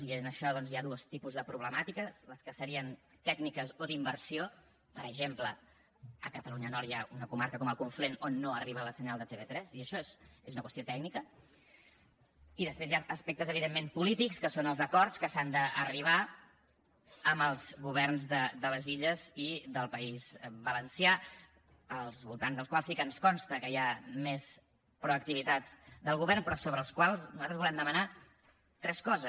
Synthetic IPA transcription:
iənəʃɔðɔnzjaðuəst̪ipuzðəpɾuβ̞ləmat̪ikəsləskəsəɾiən | t̪ɛɡnikəzoðimbərsio | pəɾəʒemplə | ə̰kət̪əluɲənɔɾjaunəkumaɾkəkɔməlˠkuɱflenonːoəriβələsəɲalˠd̪ət̪eβet̪ɾɛziəʃɔezezunəkwəst̪iot̪ɛɡnikə | iðəspɾezjaəspɛk̚t̪əzəβ̞iðemːempulit̪ikskəsonəlˠzəkɔrt̪skəsand̪əəriβ̞a | əməlˠzɣuβɛrnzðəd̪ələziʎəziðəlˠpəizbələnsja | əlˠzβulˠt̪anzðəlˠskwalˠsikənskɔnst̪əkəjames | pɾuək̚t̪iβit̪at̪d̪əlˠɣuβɛrnpɾɔsoβɾəːlˠskwalˠznuzat̪ɾəzβulɛmd̪əməna | t̪ɾɛskɔzə

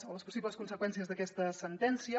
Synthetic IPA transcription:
oləspusiβləskunsəkwɛnsiəzðəkɛst̪əsənt̪ɛnsiə

